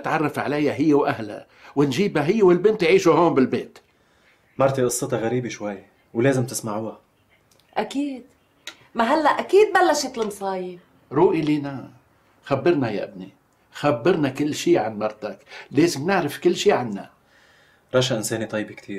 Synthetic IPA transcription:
nɪt̪ʕɑrˤːɑfʕa̰lajːaɦɪjːewʔaɦla̰ | wɪnʒiːbaɦɪjːewɪlbɪnt̪jʕiːʃuɦoːmbɪlbeːt̪ | mɑɾˤt̪iʔʊsˤːɨt̪ɑɣaɾiːbiʃwajː | wleːzɪmt̪ɪsmaʕuːa | ʔakiːd̪ | maɦalːaʔʔakiːd̪̚balːaʃet̪lmsˤɑːji | ɾˤuːʔiliːna | xabːɪɾnaja̰ʔɪbni | xabːɪɾˤnakɪlːʃiːʕanmɑɾˤt̪akleːzɪmnɪʕɾɪfkɪlːʃiːʕanːa̰ | ɾˤɑːʃaʔɪnseːnit̪ˤɑjːbikt̪ʰiːɾ

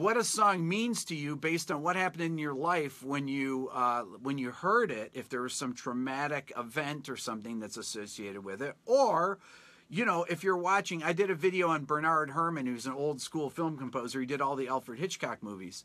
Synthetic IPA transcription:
wʌɾɨsɔ̃ŋmĩnz̥tʰɨjɨbeɪstn̩wʌt̚hæpɨ̃ñnjə˞laɪfwə̃njɨ | wə̃njɨhɜ˞ɾɪɾɨfðə˞wʌz̥sʌ̃mtʰɹ̥ɨmæɾɪkɪvɛ̃ntə˞sʌ̃mθɪ̃ŋðɨtsɨsoʊsieɪɾɨd̚wɪðɪtə˞ | jɨñoʊʔɨfjə˞wɑt͡ʃɪ̃ŋaɪdɨɾɨvɪɾioʊə̃nbə˞nɑɹd̚ɦɜ˞mɨ̃nhʉwʌzɨ̃noʊlˠd̥skulˠfɪlˠmkə̃m̩poʊzə˞idɨɾɔlˠðiɛlˠfə˞d̚hɪt͡ʃkʰɑk̚muvḭz̥

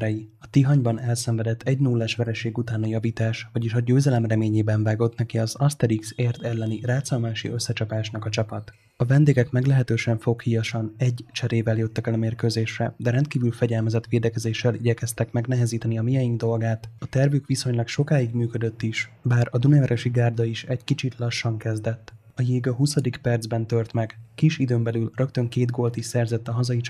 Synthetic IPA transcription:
ɾɛjiɒt̪iɦɒɲbɒnɛlsɛɱvɛd̪ɛt̪ʰːɛɟnulːaːʃʋɛɾɛʃeːɡut̪aːnɒjɒviːt̪aːʃʋɒɟiʃɒɟøːzɛlɛmrɛmeːɲeːbɛɱvaːɡo̞t̪nɛkiɒzɒst̪ɛɾikseːrt̪ɛlːɛniraːt̪sɒlmaːʃḭøsːɛt͡ʃɒpaːʃnɒkɒt͡ʃɒpɒt̪ | ɒvɛnd̪eːɡɛkmɛɡlɛɦɛt̪øːʃɛɱfo̞khijɒʃɒnɛɟːt͡ʃɛɾeːvɛljøt̪ːɛkɛlɒmeːrkøːzeːʃrɛd̪ɛɾɛnt̪̚kiːvylfɛɟɛlmɛzɛt̪ʋeːd̪ɛkɛzeːʃːɛliɟɛkɛst̪ɛkmɛɡnɛɦɛziːt̪ɛniɒmijɒjiŋɡ̚d̪o̞lɡaːt̪ɒt̪ɛrvyːkʋiso̞ɲlɒkʃo̞kaːiɡmyːkø̞d̪ø̞t̪ːiʃbaːɾɒd̪unɛɾʔɛʃiɡaːrd̪ɒiʃɛckit͡ʃit̪lɒʃːɒŋkɛzd̪ɛt̪ː | ɒjeːɡɒɦusɒd̪ikpɛrd̪zbɛnt̪ø̞rt̪mɛɡkiʃid̪øːmbɛlylrø̞kt̪ø̞ŋkeːd̪ɡoːlt̪iʃsɛrzɛt̪ːɒɦɒzɒjit͡ʃ

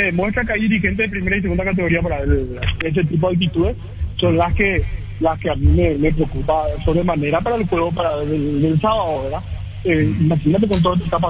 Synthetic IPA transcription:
emwe̞st̪ɾak̬eajðiɾixe̞nt̪̬eðepɾime̞ɾais̬e̞ɣund̪akat̪e̞ɣo̞ɾiap̬oɾaeɾes̬et̪ip̬o̞ðalt̪̬it̪uðe̞s | so̞nlaske | laskeamimeme̞p̬ɾeokupaso̞βɾemane̞ɾapaɾaelkwe̞ɣopaɾaðeld̪elsaβaðoβeɾða | eimaxinat̪̬e̞k̬ont̪oðot̪et̪ap̬a

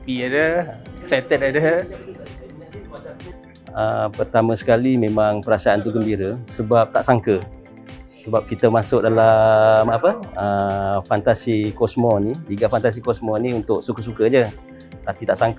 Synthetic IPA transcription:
piadəfɛt̪ɛt̪̚adə | əpərt̪amə̃sə̥kalimẽmaŋpəɾasaant̪uɡəmbiɾəsəbap̚t̪aʔsaŋkə | səbap̚kit̪əmasʊk̚dalamapəəfant̪asikɔsmɔniliɡafant̪as̬ikɔsmɔnĩunt̪ʊʔsukəs̬ukəd͡ʒə | t̪apit̪aʔsaŋk

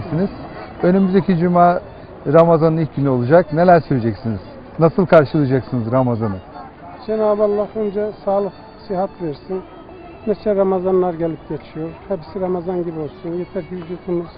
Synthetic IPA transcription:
siniz̥ø̞nymyzd̪ecʰid͡ʒumaː | ɾamazanɯnilʲc̚ʲɟynyo̞lˠud͡ʒaknelʲæɾsøjed͡ʒɛcsiniz̥ | nasɯlˠkʰaɾʃɯlˠɯd͡ʒaksɯnɯzɾamazanɯ | d͡ʒenaːbalˠːahønd͡ʒɛsaːlˠɯk | siɦat̪vɛɾsin | nesɛɾamazanlːˠaɾɟelʲip̚ɟet͡ʃʰijoɾhɛpi̥siɾamazanɟibio̞lˠsunjet̪ʰɛɾkivyd͡ʒuːt̪ʰinuz̥

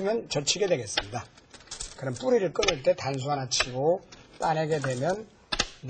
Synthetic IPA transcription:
mjʌnt͡ɕʌt͡ɕʰiɡe̞dwe̞ɡe̞s͈ɯmɲida | kɯɾʌnp͈uɾiɾɯɭk͈ɯnɯɭt͈e̞tans̬ʰuanat͡ɕʰiɡot͈aneɡe̞dwe̞mjʌnː

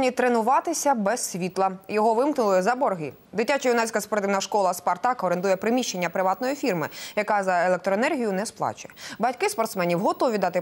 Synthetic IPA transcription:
nʲit̪ɾenʊʋɑt̪ɪsʲɐbɛssʲʋʲit̪lˠɐjɔɦɔʋɪmknʊlˠɪzɐbɔrɦi | d̪ɪtʲːat͡ʃɔjunɛsʲkɐspɔɾt̪ɪʋnɐʃkɔlˠɐspɐrt̪ɑkɔɾend̪ujɛpɾɪmʲiʃt͡ʃːe̞nʲːɐpɾɪʋɑt̪nɔjifʲirmɪ̰jɐkɑzɐelˠek̚t̪ɾɔenɛrɦʲijʊnɛsplˠɑ̰t͡ʃʊjɛbɐtʲkɪspɔrt̪smɛnʲiwɦɔt̪ɔʋʲid̪ɑt̪ɪ

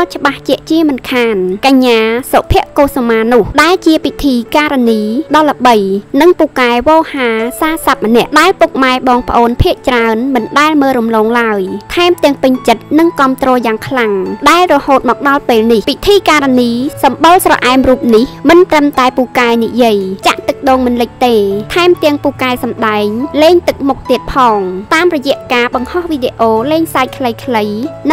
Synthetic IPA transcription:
at͡ɕə̆ɓaht͡ɕɛ̆əʔt͡ɕiəmɨnkʰaːnkaɲːaːsoʔpʰiəʔkoːsomaːnʊ̆əhɗaɛlt͡ɕiəpit̪ʰiːkaːɾaniːɗɑlːə̆ɓəjnɨŋpukaɛʋɔːhaːsaːsap̚mənɛ̆əʔɗaɛlpuk̚maɛɓɑːŋpə̆ʔoːnpʰiəʔt͡ɕraənmɨnɗaɛlməːlrumloːŋlaəjt̪ʰaɛmt̪ɛ̆əŋpɨɲt͡ɕət̪̚nɨŋkɑ̆əmt̪rɔːjaːŋkʰlaŋɗaɛlrɔhoːt̪̚mɑːk̚ɗɑlpeːlnihpit̪ʰiːkaːɾaniːsɑmɓəlsrɑ̰ʔaɛmruːp̚nihmɨnt̪rəmt̪aɛpuːkaɛnijiəjt͡ɕa̰ʔt̪ɨk̚ɗoːŋmɨnlɨc̚t̪eːt̪ʰaɛmt̪ɛ̆əŋpuːkaɛsɑmɗaɛŋleːŋt̪ɨk̚muk̚t̪iət̪̚pʰɑːŋt̪aːmrɔjɛ̆əʔkaːɓɑŋhɑhʋiːɗeʔoːleːŋsaːc̚kʰləjkʰləjnɨ

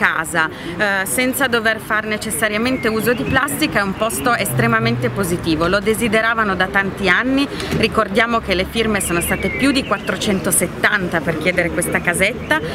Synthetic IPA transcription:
kaːza | sɛnt̪sad̪overfarnet͡ʃesːaɾjament̪euːzod̪iplast̪ikaɛumpɔst̪oest̪ɾemament̪epozit̪iːvolod̪ezid̪eɾaːvanod̪at̪ant̪ianːi | rikord̪jaːmokelefirmesoːnost̪aːt̪epjud̪ikwat̪ːɾot͡ʃɛnt̪oset̪ːant̪aperk̟jɛːd̪eɾekwest̪akazet̪ːa

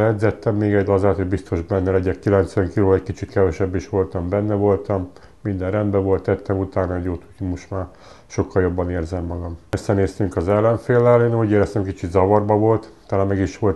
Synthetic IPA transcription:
ɛd̪zɛt̪ːɛmːeːɡɛɟ̪ːɒzaːt̪ho̞ɟbist̪o̞ʒbɛnːɛlɛɟɛkkilɛnt̪sʋɛŋkiloːɛckit͡ʃit̪kɛvɛʃɛbːiʃʋo̞lt̪ɒmbɛnːɛvo̞lt̪ɒmː | ind̪ɛnrɛnd̪bɛvo̞lt̪ːɛt̪ːɛmut̪aːnɒɛɟoːt̪ʰu̥c̪omoʃt̪maːr | ʃo̞kːɒljo̞bːɒneːrzɛmːɒɡɒmɛsːɛneːst̪yŋkɒzɛlːɛɱfeːlːɛleːnɒmuɟeːɾɛst̪ɛmkit͡ʃid̪zɒvɒrbɒvo̞lt̪t̪ɑlaːmmɛɡiʃʋo̞lt̪

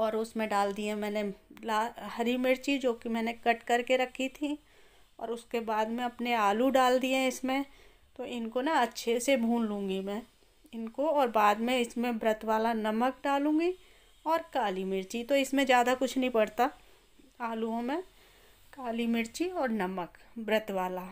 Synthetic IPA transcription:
ɔːɾʊsmẽɖaːld̪iẽmɛ̃ːnelaːhɐɾimɪɾt͡ʃid͡ʒoːkimɛ̃ːnekɐʈkɐɾkeɾɐkʰːit̪ʰi | ɔ̰ːɾʊskebaːd̪mẽɐpneaːluɖaːld̪iẽɪsmẽ | t̪oʔɪnkonaɐtːʃʰesebʱũːnlũːŋɡimɛ̃ː | ɪnkoɔːɾbaːd̪mẽɪsmẽbɾət̪waːlanɐmək̚ɖaːlũːɡi | ɔːɾkaːlimɪɾt͡ʃit̪oɪsmẽd͡ʒjaːd̪akʊt͡ʃʰnəɦĩpɐɽt̪a | aːluõmẽ | kaːlimɪɾt͡ʃiɔːɾnɐməkbɾət̪waːla

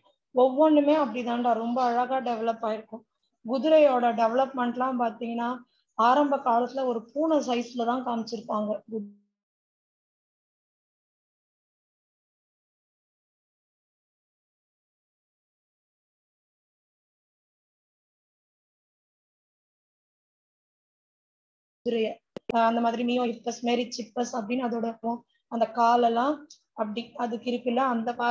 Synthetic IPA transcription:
ɔʋːɔɳɖɯmeːɐpːɐɽit̪ãːnʈaːɾɔmbɐːɻɐɣaːɖɛʋɐlɐpːaːjɪɾɯkːʊ̃ | ɡʊðɯɾɐjoːɽɐɖɛʋlɐpmɛɳʈlãːpaːɾt̪iŋɡɐnːaː | aːɾɐmbɐkːaːlɐt̪ːɪlɐɔɾɯpuːnɐsɐɪslɐt̪ãːkaːmɪt͡ʃːɪɾɯpːaːŋɡɐɡʊ | ɪɾɐjɐɐnd̪ɐmaːðɪɾimiːjõːɪpːɐsmeːɾɪt͡ʃːɪʈpːɐsɐpːɐɽinːɯɐðoːɽɐɾɯpːʊ̃ | ɐnd̪ɐkaːlɛlːãː | ɐpːɐɽiɐðɯkːɪɾɯkːɯlːɐːnd̪ɐpaː

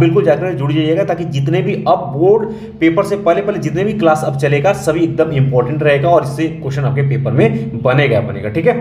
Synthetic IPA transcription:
bɪlkʊld͡ʒaːkəɾd͡ʒʊɽid͡ʒaːieːɡat̪aːkid͡ʒɪt̪nebʱiɐb̚ːoːɾɖ | peːpəɾsepɛːɦlepɛːled͡ʒɪt̪nebʱiklaːsɐbt͡ʃɐleːɡasɐbʱieːk̚d̪əmɪ̃mpɔːɾʈə̃ɳʈɾɐɦeːɡaɔːɾɪsːekoːʃənɐp̚kepeːpəɾmẽbɐneɡɐbɐnḛːɡa̰ʈʰiːkɦɛː

